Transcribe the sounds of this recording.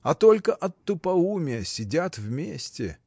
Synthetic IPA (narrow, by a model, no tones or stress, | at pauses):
ɐt̪olʲkəʔɐt̪ːʊpɐumʲɪəsʲɪdʲat̪vmʲesʲtʲɪ